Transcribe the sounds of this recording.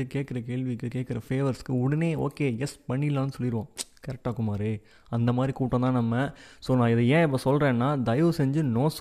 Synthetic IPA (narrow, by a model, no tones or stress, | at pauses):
ɯkeːʈ̚kɪɾɐk̬eːɭʋikːɯkeːʈ̚kɪɾɐfeːʋɐɾskːɯʊɽɐneːo̰ːkeːjɛspɐɳːɪlːãːnːɯsɔlːɪɾɯʋõːkɐɾɛk̚ʈaːkːɯmaːd̪ɾi | ɐnd̪ɐmaːd̪ɾikuːʈːõnt̪ãːnɐmːɐsɔlnãːɪðɐjɛ̃ːɛp̬ːoːsɔlrɾẽːnːaːd̪ɐjʋɯsɛɲd͡ʒɯnoːs